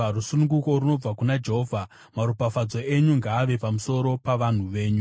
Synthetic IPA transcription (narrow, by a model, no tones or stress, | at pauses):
rusunuŋɡuko̞runo̞b͡vakunad͡ʒe̞ɦoːvʱa | maɾupafad͡zo̞e̞ɲuŋɡaːʋe̞pamuso̞ɾo̞paʋan̤uʋe̞ːɲu